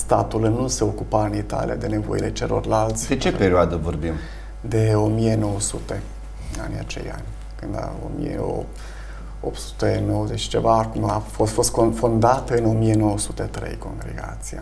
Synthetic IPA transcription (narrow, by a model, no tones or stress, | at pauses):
st̪at̪ulnuse̞o̞kupaɨnit̪a̰lḭa̰d̪e̞ne̞vo̞̰ile̞t͡ʃe̞lo̞̰rʲlalt̪sʲd̪et͡ʃepeɾioad̪əvorbim | d̪e̞o̞mije̞no̞wəsut̪e̞ | a̰nʲja̰t͡ʃe̞̰ja̰nʲ | kɨnd̪a̰o̰mḭjḛo̰ | op̪su̥t̪enowəzet͡ʃt͡ʃe̞vakumafofost̪kfond̪at̪ɨno̞mieno̞wəsut̪e̞t̪ɾe̞̰jko̞ŋɡɾḛɡa̰t̪sija